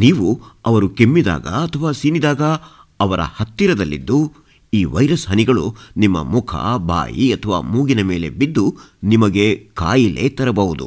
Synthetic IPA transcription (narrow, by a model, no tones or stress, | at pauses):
niːʋuɐʋɐɾukemːid̪a̰ːɡɐ̰ɐt̪ʰɐʋaːsinid̪aːɡɐ | ɐʋɐɾɐ̰hɐt̪ːiɾɐd̪ɐlːḭd̪ːu | iːʋɐjɾɐsɦɐniɡɐɭunimːɐ̰mukʰɐ̰bʱa̰ːjiɐt̪ʰɐʋa̰ːmuːɡinɐme̞ːle̞bid̪ːunimɐɡe̞ka̰ːjile̞̰ːt̪ɐɾɐbɐʋud̪ṵ